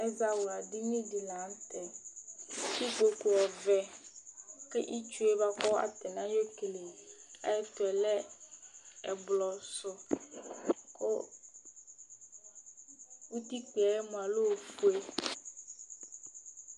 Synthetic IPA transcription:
ɛ˦za˨wʊ˨a˨dɪ˦ɲũ˦di˨lã˨˦n˦tɛ˨ | ki˦ko˨kʊ˨ɔ˨vɛ˨ | kɛ˦ʔi˦t͡ʃu˦e˦ba˦kɔ˦a̰˨tɪ˨nã˦jo˦ke˨le˨a̰˦ɛ˦tʊ˨ɛ˨lɛ˦ | ɛ˨bʊ˨lɔ˨sʊ˨ | kʰʊ˦ | u˦ti˦k͡pi˨a˨jɛ˦mʊ̃˨a˨lo˦˨fu˦e˦

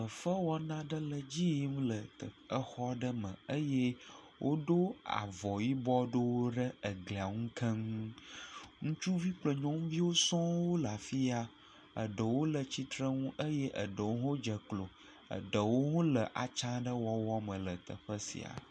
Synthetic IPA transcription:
ə˨fə˦wɔ˦nã˦ɖə˦lə˨d͡ʑi˦m̃˦lə˨t̪ə˨ə˦xɔ˦ɖə˦mə̰̃˨ə˦je˦ | wʔo˦ɖo˦a̰˨vɔ˨ji˦bɔ˦ɖo˦wo˦ɖə˦ə˨ɡli˨a˨ŋũ˦kʰə˦ŋu˦ | ŋũ˦t͡ʃu˦vi˦k͡plo˨ɲɔ̃˦ŋũ˦vi˦wo˦sɔ̃˦wo˦la˨fi˦a˨ | ə̰˨ɖə˨wo˦lə˨t͡ɕi˦t̪ɾə˦ŋũ˦ʔə˦je˦ʔə̰˨ɖə˨wo˦ɦõ˦d͡ʒə˨klo˨ | ə̰˨ɖə˨wo˦ɦõ˦lə˨ʔa̰˨t͡ʃã˦ɖə˦wɔ˦wɔ˦mə̃˨lə˨t̪ə̰˨ɸə˦sḭ˨a̰˨

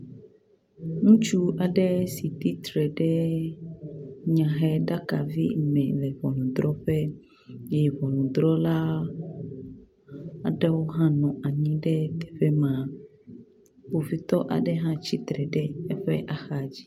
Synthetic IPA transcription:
nũ˦t͡ʃu˦a˨ɖɛ˦si˨t̪i˦t̪ɾɛ˨ɖɛ˦ | ɲã˨ɦɛ˦ɖa˦ka˨vḭ˦mɛ̃˨lɛ˨vɔ˨nũ˨d̪ɾɔ˦ɸɛ˦ | jɛ˨vɔ˨nũ˨d̪ɾɔ˦la˦ | a˨ɖɛ˦wo˦ɦã˦nɔ̃˨a˨ɲĩ˦ɖɛ˦t̪ɛ̥˨ɸɛ˦mã˨ | wo˨fi˨t̪ɔ˦ʔa̰˨ɖɛ˦ɦã˦t͡ɕi˦t̪ɾɛ˨ɖɛ˦ɛ˦ɸɛ˦ʔa˨xa˨d͡ʑi˦

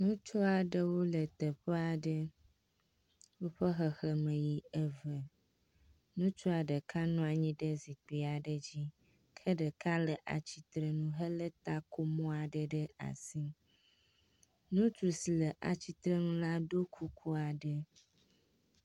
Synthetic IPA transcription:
nũ˦t͡ʃɔ˦a˨ɖə˦wo˦lə˨t̪ə˨ɸə˦a˨ɖə˦ | wo˦ɸə˦xə˨xə˨mə̃˨ji˨ə˨və˨ | nũ˦t͡ʃɔ˦a˨ɖə˨kʰa˦nɔ̃˦a˨ɲĩ˦ɖə˦zi˨k͡pi˨a˨ɖə˨d͡ʑi˦ | kʰə˦ɖə˨ka˦lə˨ʔa̰˨t͡ɕi˨t̪ɾə˨nũ˦ɦə˦lə˦t̪a˦ko˦mɔ̃˦a˨ɖə˦ɖə˦a̰˨si˦ | nũ˦t͡ʃu˨si˨lə˨ʔa̰˨t͡ɕi˦t̪ɾə˦nũ˦la˦ɖo˦kʰu˦kʰu˦a˨ɖə˦

